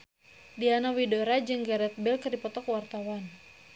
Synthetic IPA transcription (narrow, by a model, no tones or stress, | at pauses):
dianawidoɾad͡ʒɨŋɡaɾɛt̪̚bɛlkərdipɔt̪ɔkəwart̪awan